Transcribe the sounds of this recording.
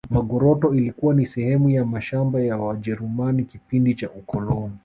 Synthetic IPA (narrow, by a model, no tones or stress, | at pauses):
maɠɔɾɔtɔilikuwanisɛhɛmujamaʃambajawaʄɛɾumanikipindit͡ʃaukɔlɔnɔ